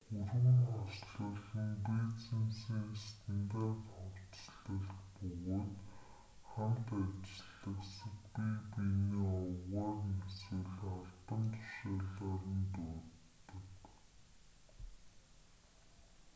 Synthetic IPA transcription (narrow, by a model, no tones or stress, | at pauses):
xɵrɣɵ̆ŋχɔsɮə̆ɮə̆ŋpeːt͡sĭnsiŋest̪ʰɘ̆nt̪aːt̪χɔwt͡ɕɮə̆ɮt̪pɵɣoːt̪ | χamt̪at͡ɕɪ̆ɮə̆ksə̆kpipiniːɔwʁaːrneswɘ̆ɮaɮpə̆nt̪ʰʊ̥ʃaːɮaːrə̆nt̪uːtt̪ːɵ̆k